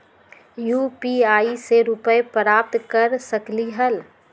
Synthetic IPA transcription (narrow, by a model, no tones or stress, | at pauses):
juːpiaːiseɾʊpəjpɾaːp̚t̪kəɾsəkliɦəl